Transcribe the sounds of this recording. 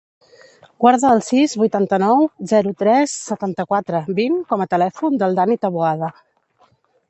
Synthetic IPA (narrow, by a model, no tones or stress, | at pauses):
ɡ̥waɾðəːlˠsizβujt̪ant̪ənɔwzɛɾut̪ɾɛsːət̪ant̪əkwat̪ɾəbinkɔmət̪əlɛfund̪əlˠd̪anit̪əβuaðə